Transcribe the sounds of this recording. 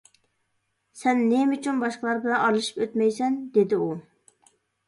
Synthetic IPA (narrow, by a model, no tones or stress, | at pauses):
sɛnːemyt͡ʃʰynbɑʃqəlˠɑɾbɪlɛnɑlˠɨʃi̥pøt̪mɛjsɛnd̪ed̪ɪu